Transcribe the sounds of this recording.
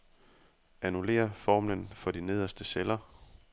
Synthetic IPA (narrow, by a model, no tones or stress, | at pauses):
ʔænule̝̰ːɐfɒːmlənfɒ̽d̥ine̝ð̞̰ˠɐsd̥əselɐ